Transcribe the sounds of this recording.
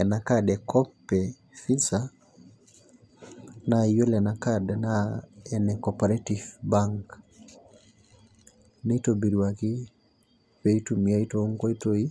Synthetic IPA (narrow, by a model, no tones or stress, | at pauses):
ɛnakadɛkʰɔpːɛ | fisa | najolɛnakadnaɛnɛkopaɾetifbaŋk | netobiɾiwaki | peitumiaitoŋɡoitoi